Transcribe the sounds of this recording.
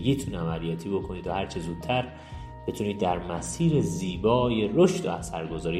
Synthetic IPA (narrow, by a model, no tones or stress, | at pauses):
ɡit̪ʰunæmælijɒːt̪ʰiːbo̞kʰo̞niːd̪ohæɾt͡ʃʰezuːd̪̚ʰtʰæɾ | be̞t̪ʰuːniːd̪ːæɾmæsiːɾeziːbɒːje̞ɾoʃd̪̥o̰æsæɾɡo̞zɒːɾi